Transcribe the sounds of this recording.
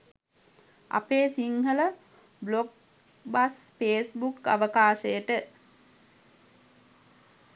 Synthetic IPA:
a̰peːsiŋhələ | blok̚ | baspeːsbuka̰ʋəkaːʃəjəʈə

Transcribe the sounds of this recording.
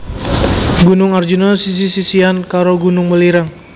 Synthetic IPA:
ɡunʊŋard͡ʒunosis̬isisiankaɾoɡunʊŋməliɾaŋ

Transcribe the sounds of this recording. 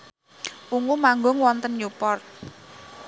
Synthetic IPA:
ʔuŋumaŋɡɔŋwɔnt̪ənjupɔrt̪̚

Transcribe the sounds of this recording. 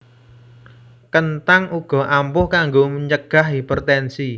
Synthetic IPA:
kənt̪aŋʔuɡ̥ɔ̤ʔampʊhkaŋɡoməɲt͡ʃəɡ̥a̤ɦipərt̪ɛnsi

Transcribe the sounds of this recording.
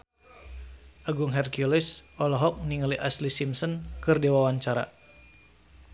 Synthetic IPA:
ʔaɡuŋɦɛrkulisʔɔlɔɦɔk̚niŋaliʔaslisimsɔnkɨrdiwawaɲt͡ʃaɾa̰

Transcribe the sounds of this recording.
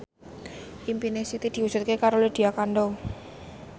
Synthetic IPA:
ʔimpinesit̪id̪̥i̤u̥d͡ʒ̥ut̪̚kekaɾoled̪̥i̤akanɖo

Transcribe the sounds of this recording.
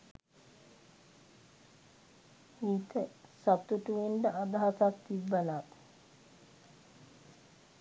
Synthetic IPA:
iːt̪əsat̪uʈuʋeɳɖəʔad̪aɦasakt̪ibːala

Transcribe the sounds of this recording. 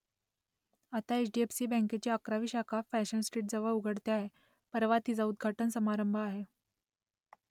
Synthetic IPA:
at̪aet͡ɕɖiepsiːbɛ̃ŋket͡ɕiakɾaʋiːɕakʰafæɕənsʈɾiːʈ̚d͡zəʋəɭuɡʱəɽt̪jaɦe | pəɾʋat̪iːd͡zaud̪̚ɡʱaʈənsəmaɾəmbʱəaɦe

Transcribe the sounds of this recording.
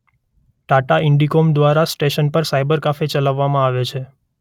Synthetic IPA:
ʈaʈaɪɳɖikomd̪ʋaɾasʈeʃənpəɾsajbəɾkafet͡ʃəlaʋːamãaʋet͡ʃʰe

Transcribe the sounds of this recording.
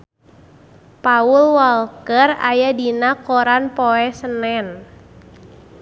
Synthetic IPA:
paulwɔlkəra̰jadinakɔɾanpɔɛsənɛn

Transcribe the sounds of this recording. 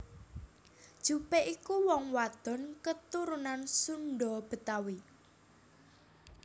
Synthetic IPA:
d̥ʒ̥ṳpeʔikuwɔŋwad̪̥ɔ̤nkət̪uɾunansunɖɔb̥ə̤t̪awi

